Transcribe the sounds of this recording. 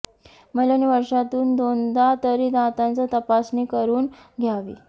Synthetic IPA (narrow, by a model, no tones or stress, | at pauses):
mələniʋəɾʂat̪uːnd̪ond̪at̪əɾiːd̪ãt̪ant͡sət̪əpasnekəɾuːnɡʱjaʋḭː